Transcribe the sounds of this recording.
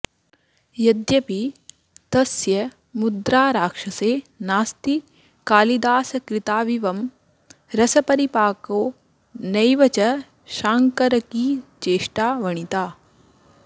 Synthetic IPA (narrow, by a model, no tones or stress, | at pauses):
jɐd̪jɐpi | t̪ɐsjɐ | mud̪ɾaːɾaːkʂɐseːnaːst̪i | kaːlid̪aːsɐkɾit̪aːʋiʋɐm | ɾɐsɐpɐɾipaːkoː | nɐjʋɐt͡ʃɐ | ʃaːŋkɐɾɐkiːt͡ʃeːʂʈaːʋɐɳit̪aː